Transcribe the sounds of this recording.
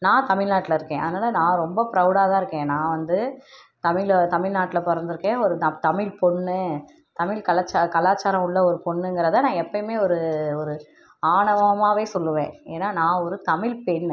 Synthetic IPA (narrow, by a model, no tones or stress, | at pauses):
nãːt̪ɐmɪɻnaːʈːɪlɐɪɾɯkːẽːʔɐ̰ðɯnaːlɐnãːɾɔmbɐpɪɾɐʊɽaːðãːɪɾɯkːẽːnãːʋɐnd̪ɯ | t̪ɐmɪlt̪ɐmɪlnaːʈːɪlɐpɔɾɐnd̪ɪɾɯkːẽːɔɾɯnt̪ɐmɪlpɔɳːɯ | t̪ɐmɪlkɐlɐt͡ʃːakɐlaːt͡ʃːaːɾɐ̃ʊɭːɐɔɾɯpɔɳːɯŋɡɪɾɐðɐnãːɛpːɐmeːɔɾɯɔɾɯ | aːɳɐʋɐmaːʋeːsɔlːɯʋẽːeːnːaːnãːɔɾɯt̪ɐmɪlpɛɳ